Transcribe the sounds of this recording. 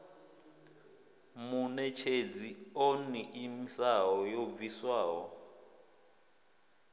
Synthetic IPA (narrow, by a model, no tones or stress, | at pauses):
munɛt͡ʃʰed͡zioniʔimisawɔjob̪viswaːwɔ̰